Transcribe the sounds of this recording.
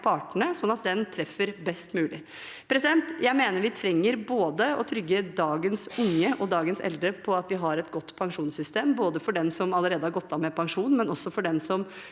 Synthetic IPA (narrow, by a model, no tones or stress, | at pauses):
pʰɑːʈəɳəsɔnːɑt̪̚d̪ɛnt̪ʰɾɛfːəɾbɛst̪mʉːlɪ | pʰɾɛsɪd̪ɛnt̪jæɪmeːnəɾʋɪt̪ʰɾɛŋːəɾboːd̪əɔt̪ʰɾʏɡːəd̪ɑːɡənsʊŋːəʔɔd̪ɑːɡənsɛ̰ld̪ɾəpʰɔɑt̪ʋɪɦɑɾɛt̪ɡɔt̪ːpʰɑŋʂuːnsʏst̪eːmboːd̪əfɔɖɛnsɔmɑlːəɾeːd̪əhɑɾɡɔt̪ːɑmɛpʰɑŋʂuːnmɛnɔsːɔfɔɖɛnsɔm